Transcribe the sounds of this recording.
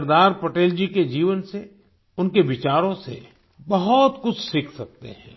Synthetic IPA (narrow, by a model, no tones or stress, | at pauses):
ɾd̪aːɾpɐʈeːld͡ʒiked͡ʒiːʋənse | ʊnkeʋɪt͡ʃaːɾõsḛ | bɐɦɔt̪kʊt͡ʃʰsɪkʰsɐk̚t̪ḛɦɛ̰̃ː